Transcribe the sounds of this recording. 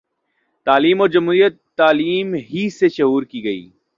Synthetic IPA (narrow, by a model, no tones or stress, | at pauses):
t̪aːliːmoːɾd͡ʒɐmɦuːɾijət̪ːaːliːmɦiseʃɐɦuːɾkiɡɐḭː